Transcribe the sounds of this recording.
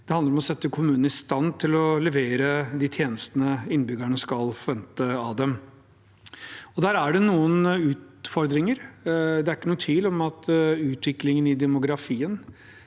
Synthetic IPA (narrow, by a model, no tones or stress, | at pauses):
d̪ɛhɑnd̪əɾɔmɔsɛt̪ːəkʰʊmʉːnn̩ɪst̪ɑnːt̪ʰɪlɔlɛʋeːɾəd̪iːt̪ʰjeːnəst̪ənəɪnbʏɡəɳəskɑlfɔɾʋɛnt̪əɑd̪ɛm | ɔd̪æːɾæɖɛnuːənʉːt̪ | fɔɾd̪ɾɪŋəɾd̪ɛæɾɪkːənuːət̪ʰʋiːlɔmɑt̪ʉːt̪ʋɪklɪŋənɪd̪ɛmʊɡɾɑfiːən